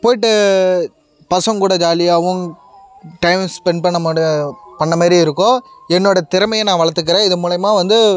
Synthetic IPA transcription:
poːjɪʈ̬ːɯ | pɐsɐŋkuːɽɐd͡ʒaːlɪjaːʋɯ̃m | ʈɐɪmspɛɳɖ̚pɐɳːɐmaːpɐɳːɐmaːd̪ɾiɪɾɯkːõːɛnːoːɽɐt̪ɪɾɐmɐjɐnãːʋɐɭɐɾt̪ːɯk̬ːɪɾẽːɪðɯmuːlɐjɐmaːʋɐnd̪ɯ

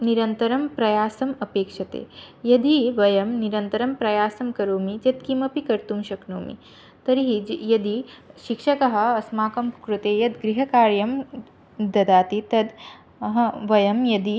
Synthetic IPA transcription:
niɾɐnt̪ɐɾɐmpɾɐjaːsɐmɐpeːkʂɐt̪ḛːjɐd̪iʋɐjɐmniɾɐnt̪ɐɾɐmpɾɐjaːsɐmkɐɾoːmit͡ʃɐt̪kimɐpikɐɾt̪umʃɐknoːmḭ | t̪ɐɾiɦid͡ʒjɐd̪iʃikʃɐkɐɦɐ̆ɐsmaːkɐmkɾut̪eːjɐt̪ɡɾiɦɐkaːɾjɐm | d̪ɐd̪aːt̪it̪ɐd̪ | ɐɦɐʋɐjɐmjɐd̪i

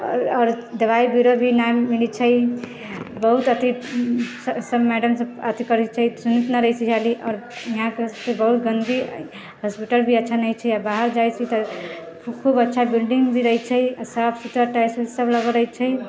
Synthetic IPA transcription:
ɔːɾd̪əʋaibiɾobʱinamiɽ̃it͡ʃʰəj | bəɦut̪ət̪issəbmɛɖəmsəət̪ʰikəɾit͡ʃʰəjsunit̪naɾəɦisʰiɦaliʔɔːɾiɦãkesəkebəɦut̪ɡənɡ̪i | ɦaspiʈəlbʱiətːʃʰanəjt͡ʃʰɛjabaɦəɾd͡ʒajt͡ʃʰit̪ɔ | kʰubətːʃʰabilɖiŋɡbʱiɾəɦit͡ʃʰəjsəbsut̪əɾʈajsbisəbləɡəɾəɦit͡ʃʰəj

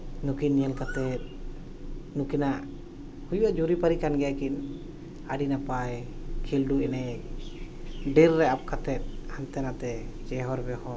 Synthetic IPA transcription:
nukinjəlkat̪ɛt̪̚ | nukinaʔ | hujuwaʔd͡ʒuɾipaɾikanɡɛjakin | aɖinapajkʰilɖuɛnɛ | ɖiɾːɛap̚kat̪ɛt̪̚hant̪ɛnat̪ɛd͡ʒɛɦɔɾbɛhɔ

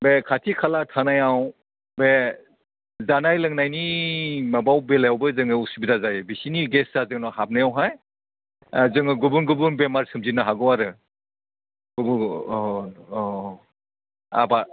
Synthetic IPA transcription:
bekʰatʰikʰalatʰanajaw | be | zanajlɯŋnajnimabawbelajawbɯzɯŋɯusubidazajbisiniɡesazɯŋnɔɦap̚najawɦaj | zɯŋɯɡubunɡubunbemaɾsɯmzinaɦaɡɯwaɾɯ | ɡ̥ubu | a̰ba

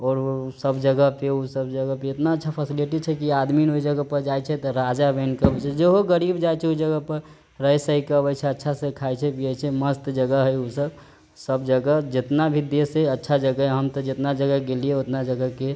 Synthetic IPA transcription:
ɔːɾsəbd͡ʒəɡəɦpeusəbd͡ʒəɡəpeet̪naətːʃʰapʰəsiliʈit͡ʃʰɛkiad̪minoid͡ʒəɡəpəɾd͡ʒajt͡ʃʰɛt̪ɔɾad͡ʒabɛnkəbət͡ʃʰɛd͡ʒeɦoɡəɾibd͡ʒajt͡ʃʰɛud͡ʒəɡəpəɾ | ɾəjsəikəbət͡ʃʰɛətːʃʰasekʰaɛt͡ʃʰɛpiɛt͡ʃʰɛməst̪d͡ʒəɡəɦɛusəb | səbd͡ʒəɡəd͡ʒɪt̪nabʱid̪eseətːʃʰad͡ʒəɡəɦɛɦəmt̪ɔd͡ʒɪt̪nad͡ʒəɡəɡelieot̪nad͡ʒəɡəɦke

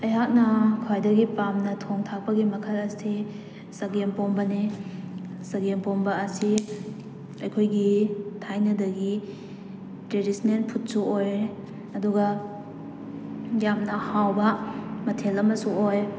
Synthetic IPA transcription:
ɐjɦat̚nɐkʰwajdɐɡipamnɐtʰoŋtʰak̚pɐɡimɐkʰɐlɐsi | sɐɡempombɐni | sɐɡempombɐːsi | ɐjkʰojɡitʰajnɐdɐɡi | tɾedisnenpʰut̚suoj | ɐduɡɐ | jamnɐhawbɐmɐtʰelɐmɐsuoj

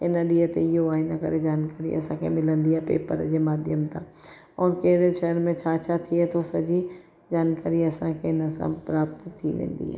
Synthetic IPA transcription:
ɦɪnə̆ɗiːət̪eɪɦoaːɦɪnəkɐ̰ɾed͡ʑaːnkaːɾḭɐ̰sãkʰḛmɪlə̃nd̪iaːɦepḛːpəɾd͡ʑeːmaːd̪ʱjəmt̪ã̰ | ɔːɾkeɽeʃɐɦəɾmẽt͡ɕʰat͡ɕʰat̪ʰiɛt̪ʰosɐd͡ʑi | d͡ʑaːnkaːɾiɐsãkʰeɪnəsã̰pɾaːpt̪t̪ʰːiʋḛ̃ːn̆d̪ḭɦa̰ː

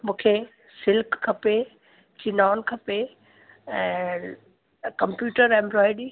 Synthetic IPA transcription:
mũːkʰe | sɪlkʰːɐpe | t͡ɕinaːnkʰɐpe | ɛ̃ː | kɐ̃mpjuːʈəɾɛ̃ːmbɾɔːɪɖi

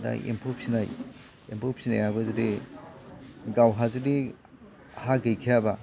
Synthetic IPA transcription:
da̰ʔḛmpʰup̚sinaj | empʰop̚sina̰jabazɯdi | ɡawɦazudi | haɡejkʰijaba

